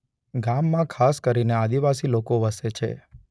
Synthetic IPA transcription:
ɡamːãkʰaskəɾinead̪iʋasilokoʋəset͡ʃʰḛ

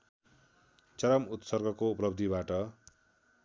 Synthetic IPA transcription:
t͡sʌɾʌmut̪sʌrɡʱʌkouplʌbd̪ʱibaʈʌ

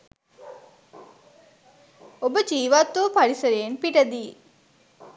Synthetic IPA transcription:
obəd͡ʒiːʋat̪ːuːpɐɽisɐɾeːnpiʈɐd̪iː

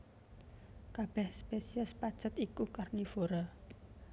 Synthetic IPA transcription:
kab̥ɛhspesiəspad̥t͡ʃət̪ikukarnifoɾɔ

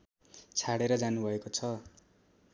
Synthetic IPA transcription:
t͡sʰaɽeɾʌd͡zanubʱʌekot͡sʰʌ

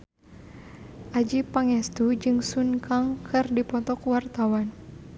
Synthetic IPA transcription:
ʔad͡ʒipaŋɛst̪ud͡ʒɨŋsunkaŋkɨrdipɔt̪ɔkwart̪awan

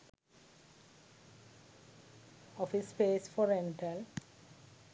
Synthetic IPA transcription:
ɔfispeːsfɔɾẽɳʈəl

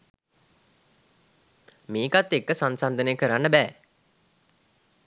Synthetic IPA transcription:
miːkat̪ːekːəsansand̪ənəjəkəɾanːəbɛː

